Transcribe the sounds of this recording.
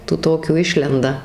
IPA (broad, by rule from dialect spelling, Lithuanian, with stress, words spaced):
tuː ˈtoːkʲuː ˈɪʃʲlʲɛndɐ